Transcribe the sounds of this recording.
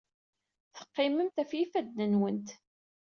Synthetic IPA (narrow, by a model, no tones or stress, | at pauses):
θə̥qːɪməmt̪æfjifæd̪nənwənt̪